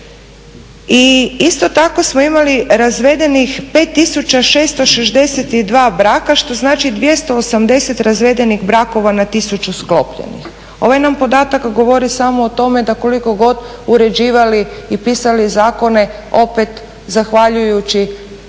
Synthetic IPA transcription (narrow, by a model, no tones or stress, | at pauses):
iist̪o̞t̪ako̞smoimaliɾazʋe̞d̪e̞nixpe̞ːt̪ːisut͡ɕaʃe̞ːst̪o̞ʃeʒd̪e̞set̪id̪ʋaːbɾaːkaʃt̪o̞znaːt͡ʃid̪ʋje̞st̪o̞ːsamd̪e̞set̪ɾazʋe̞d̪e̞niɣbɾako̞ʋanat̪isut͡ʃusklo̞pʎḛnḭx | o̞ʋajnampo̞d̪aːt̪akɡo̞ʋo̞ɾisamoːt̪o̞me̞d̪ako̞liko̞ɡo̞d̪uɾe̞d͡ʒiːʋaliipisalizaːko̞ne̞o̞pet̪ | zaxʋaʎujut͡ɕi